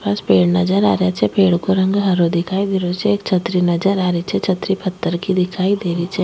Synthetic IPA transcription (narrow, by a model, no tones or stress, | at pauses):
paːspeːɽnɐd͡ʒəɾa̰ːɾjat͡ʃʰɛpeːɽkoɾɐ̃ŋɡɦɐɾod̪ɪkʰaːid̪eːɾot͡ʃʰɛeːkt͡ʃʰɐt̪ɾinɐd͡ʒəɾaːɾit͡ʃʰɛt͡ʃʰət̪ɾipʰət̪ːəɾkid̪ɪkʰaːid̪eːɾit͡ʃʰɛ